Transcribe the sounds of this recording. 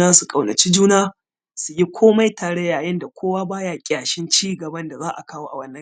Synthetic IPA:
aː˦su˨kʼa˨wnɐ˨t͡ʃi˦d͡ʒuː˦naː˦ | su˨ji˦kʷʰoː˦ma˦jtʰaː˨ɽɐ˦jːaː˨jɐ˦nda˨kʷoː˦waː˦baː˦jaː˨kʲʼaː˨ʃɪ˦nt͡ʃiː˦ɡɐ˨bɐ˦nda˨zaː˦ʔa˨kaː˦woː˦ʔa̰˨wɐ˦nːɐ˦

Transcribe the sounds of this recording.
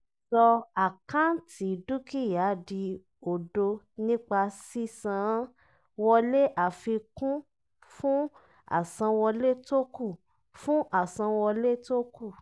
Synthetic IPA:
sɔ˧a˨kã˦ti˨˦˨du˦ki˦˨ja˨˦di˧ | o˨do˧ | nĩ˦k͡pa˧si˦sã˨˧˨ | wɔ˧le˦ʔa˨fi˧kũ˦ | fũ˦ | a̰˦˨sã˧wɔ˧le˦to˦ku˦˨ | fũ˦ʔa˨sã˧wɔ˧le˦to˦ku˦˨

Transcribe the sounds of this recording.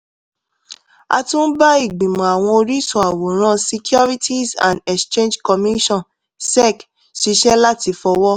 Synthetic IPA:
a̰˧tũ˦ba˦i˦˨ɡ͡bĩ˨mɔ̃˨a˨w̃ɔ̃˧o˧ɾi˦sɔ̃˨a˨wo˨ɾ̃ã˦si˧kjɔ˦ɾi˦ti˦sã̰˨ndɛ˨kstẽ˦nd͡ʒkɔ˧mi˦i˦ʃɔ̃˦˨n | sɛ˦˨k | ʃi˧ʃɛ˦la˦ti˧fɔ˧wɔ˦

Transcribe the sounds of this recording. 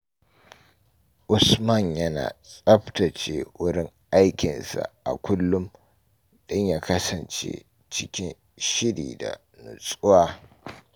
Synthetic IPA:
ʔʊ˨smɐ˦˨ɲjɐ˦na̰ː˨sʼɐ˦ɸtɐ˨t͡ʃe˦wʊ˦ɽɪ˦ŋʔa˦jkʲɪ˨nsa̰˨ʔa̰˨kʷʊ˦lːʊ˦m | dʊ˦ɲjaː˦kɐ˦sɐ˨nt͡ʃḛ˦ | t͡ʃɪ˦kʲɪ˦n | ʃɪ˦ɽiː˨da̰˨ | nʊ˨sʼʊ˦waː˦

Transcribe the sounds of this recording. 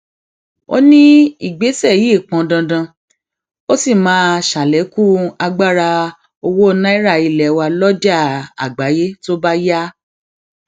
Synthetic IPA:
o̰˦nĩ˦i˦˨ɡ͡be˨˦sɛ˦˨ji˨˦˨k͡pã˨˧dã˧dã˧ | o˦si˦˨mãː˨˦ʃa˨lɛ˨˦ku˦a˧ɡ͡ba˦˨ɾa˧ | o˧wo˦˧nã˦i˦ɾa˦˧˨i˧˨lɛ˨˦wa˧lɔ˦d͡ʒa˦˨a̰˨ɡ͡ba˨˦je˦to˦ba˦ja˦

